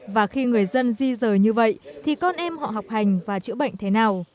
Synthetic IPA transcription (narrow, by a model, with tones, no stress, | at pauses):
vaː˨˩xi˧ŋɨ˨˩əjzə˧nzi˧zəː˨˩jɲɨ˧və̰˧˨jt̪ʰi˨˩kɔ˧nʔɛ˧mhɔ̰˧˨ɦa˨˩wk͡p̚ha˨˩jŋ̟vaː˨˩t͡ɕɨ̰˧˥əɓə̰˧˨jŋ̟t̪ʰe˨˦naː˨˩w